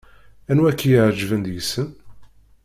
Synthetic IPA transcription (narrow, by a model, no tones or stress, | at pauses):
ænwækːijəʕd͡ʒːvənd̪jsən